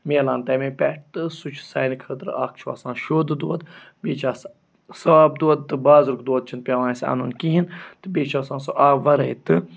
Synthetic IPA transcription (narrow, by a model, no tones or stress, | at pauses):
meːlaːnt̪ɐːmẽːpʲɛʈ̚t̪ɨsut͡ʃʰsaːnkʰəːt̪ɨɾa̰ːkʰt͡ʃʰuʋa̰ːsãːnʃoːd̪ɨd̪oɐd̪beːt͡ʃaːs | sɐaːb̚d̪oɐd̪̚t̪ɨbaːzɨɾkd̪oːd̪̚t͡ʃʰin̚pʲaʋãːnsɐ̰nunkiɦint̪ɨbeːt͡ʃaːsãːnsoʔaːʋɐɾɐjt̪ɨ